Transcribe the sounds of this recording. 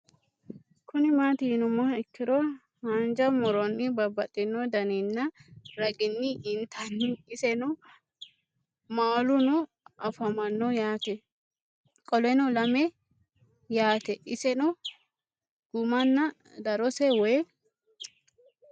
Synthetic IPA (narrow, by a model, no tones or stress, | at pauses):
kʰʊnɪmaːt̪ɪɪnʊmɐɪkːɪɾɔ | hɐnd͡ʒɐmɔɾɔnːɪbɐbɐt̪ʼːɪnːɔd̪ɐnɛnːɐɾɐɡɪnːɪʔɪnt̪ɐnːɪːsɛnʊ | maːlʊnʊ | ʔɐfɐmɐnːɔjaːt̪ɛ | kʼɔlɛnɔlɐmɛ | jaːt̪ɛʔɪsɛnʊ | ɡ̥ʊmɐnːɐ | d̪ɐɾɔsɛwɔ